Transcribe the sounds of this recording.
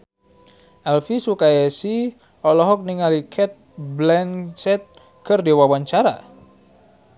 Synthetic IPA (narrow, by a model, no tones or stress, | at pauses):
ʔɛlfisukajasi | ɔlɔɦɔk̚niŋalikʰɛt̪̚ | blɛnsɛt̪̚ | kərdewawaɲt͡ʃaɾa̰